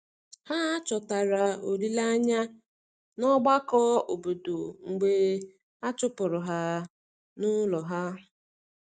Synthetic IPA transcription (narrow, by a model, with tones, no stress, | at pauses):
ha˦a˦t͡ʃɔ˨ta˨ɾa˨o˨ɾi˦la˦ɲa˦ | nɔ˦ɡ͡ba˦kɔ˦o˨bo˨do˨ŋ͡m̩˨ɡ͡be˨ | a˦t͡ʃʊ˦pʊ˨ɾʊ˨ɦa˦ | nʊ˦lɔ˨ɦa˦